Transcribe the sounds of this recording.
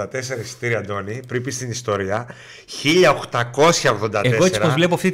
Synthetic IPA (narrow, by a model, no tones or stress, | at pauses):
ɐt̪e̞se̞ɾɐisi̥t̪iɾiɐnd̪o̞nipɾipist̪inist̪o̞ɾiɐ | çiʎɐoxt̪ɐko̞sçɐoɣðo̞nd̪ɐteeseesiɾɐpozvle̞p̬oɐft̪i